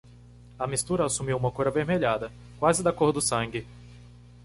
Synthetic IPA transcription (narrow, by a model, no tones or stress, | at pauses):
ɐmist̪uɾɐasumiwũmɐkoɾɐveɾmeʎad̪ɐ | kwazɪd̪akoɾd̪ʊsɐ̃ŋɡɪ